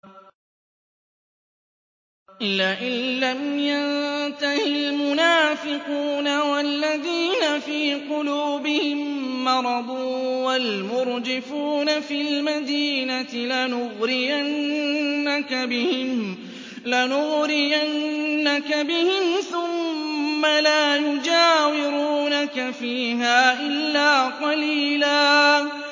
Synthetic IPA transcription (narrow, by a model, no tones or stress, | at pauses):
ʔɪlːaːʔɪlːamjaðt̪ahɪlmʊnaːfɪquːnawalːaðiːnafiːqʊluːbɪhɪmːɑɾˤɑd̪ˤʊwalmʊɾd͡ʒɪfuːnafilmad̪iːnat̪ɪlanʊɣɾɪjanː | akabɪhɪm | lanʊɣɾɪjanːakabɪhɪmθʊmːalaːjʊd͡ʒaːwɪɾuːnakafiːɦaːʔɪlːaːqɑliːlaː